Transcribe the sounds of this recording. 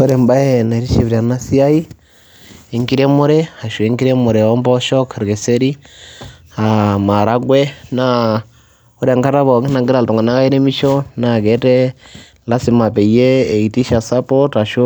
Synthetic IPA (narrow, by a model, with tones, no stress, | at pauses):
o˦ɾe˨mba˦jena˨ɾi˦ʃe˨βi˨ɾia˨na˦si˦a˦i˦ | eŋki˦ɾe˦muɾeha˨ʃu˨eŋki˦ɾe˦mu˨ɾe˨o˦mbɔ˦ʃɔ˦kɾɡe˨se˦ɾi˦ | ama˨ɾa˦ɡwe˦na | u˦ɾa˨ŋka˦ɾa˦βo˨ki˦na˨ŋɡi˦ɾa˨lto˨ŋɡa˨na˦ka˦i˦ɾe˦mi˦ʃo˦naɡe˨˦te˦ | la˦sima˨pe˨ije˦˨iti˦ʃa˨sa˦pota˨ʃo˦